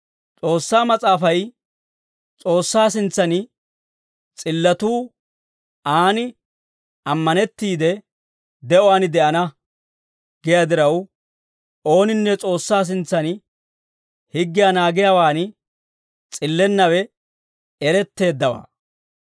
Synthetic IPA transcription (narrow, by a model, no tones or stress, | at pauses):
t͡sʼo̞ːsːaːmɐt͡sʼaːfɐj | t͡sʼo̞ːsːaːsɪnt͡sːɐnɪ | t͡sʼɪlːɐt̪uː | aːnɪ | ɐmːɐnɛt̪ːiːd̪ɛ | d̪ɛʔɔwaːnɪd̪ɛʔɐnɐ | ɡ̥ɛjad̪ɪɾɐw | o̞ːnɪnːɛt͡sʼo̞ːsːaːs̬ɪnt͡sːɐnɪ | hɪɡːɪjaːnaːɡɪjaːwaːn | t͡sʼɪlːɛnːɐwɛ | ɛɾɛt̪ːe̞ːd̪ːɐwa̰ː